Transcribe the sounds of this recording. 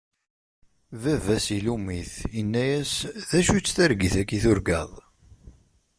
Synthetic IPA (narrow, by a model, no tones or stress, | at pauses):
vævæsilumiθjənːæjæsðæʃut͡sːθæɾɡiθækːiθʊɾɡɑ̰ðˤ